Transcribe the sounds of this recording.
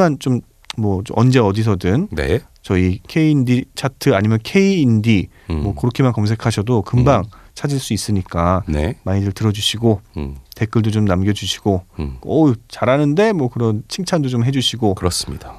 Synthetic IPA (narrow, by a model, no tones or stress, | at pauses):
ant͡ɕom | mwʌʌnd͡ʑe̞ʌdis̬ʰʌdɯnnḛ | t͡ɕʌikʰe̞iːndit͡ɕʰatʰɯaɲimjʌnkʰe̞iːndi | mwʌkɯɾokʰemankʌms̬ʰe̞kʰaɕʰʌdokɯmbaŋt͡ɕʰad͡ʑiɭs͈uis͈ɯɲik͈anemaɲidɯɭtɯɾʌd͡ʑuɕʰiɡote̞k͈ɯɭdot͡ɕomnamɡjʌd͡ʑuɕʰi̥ɡ̥oʌt͡ɕaɾanɯnde̞mwʌkɯɾʌnt͡ɕʰiŋt͡ɕʰandot͡ɕomɦed͡ʑuɕʰiɡokɯɾʌs͈ɯ̥mɲid̥a